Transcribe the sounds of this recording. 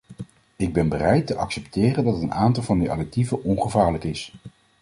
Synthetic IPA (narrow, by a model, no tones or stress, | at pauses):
ɪɡ̚bɛnbərɛjtəʔɑksɛptɪːrəndɑtənaːntɑlˠvɑndiʔɑ̰dɛk̚tivəʔɔnχəvaːɹləkɪs